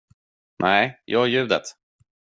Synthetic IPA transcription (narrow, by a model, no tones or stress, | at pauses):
nʔɛɪjʔɑːjʉ̟ːd̪ət̪